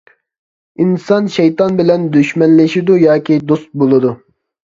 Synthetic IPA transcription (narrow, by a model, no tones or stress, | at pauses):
insɑnʃɛjt̪ɑnbɪlɛnd̪yʃmɛnlɪʃid̪ujɑːkʲʰid̪ost̪̚bolˠɨd̪u